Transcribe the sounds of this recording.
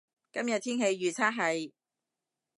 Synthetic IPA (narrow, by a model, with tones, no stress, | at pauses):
kɐ˥mjɐ˨t̪ʰiː˥nhe˧jɥyː˨˩t͡sʰaː˥ɦɐ˨˧j